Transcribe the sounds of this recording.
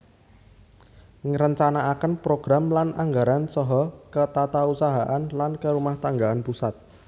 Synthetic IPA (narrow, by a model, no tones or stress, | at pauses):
ŋəɾəɲt͡ʃanaʔakənpɾoɡ̥ɾamlanaŋɡaɾansɔɦɔkət̪at̪ausaɦaʔanlankəɾumaht̪aŋɡaanpusat̪̚